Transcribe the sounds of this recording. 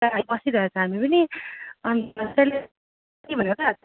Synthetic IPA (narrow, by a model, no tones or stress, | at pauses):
aabʌsiɾʌɦet͡sʰʌ̃ɦamipʌniʌnʌsale | t̪ibʱʌneot̪ʰa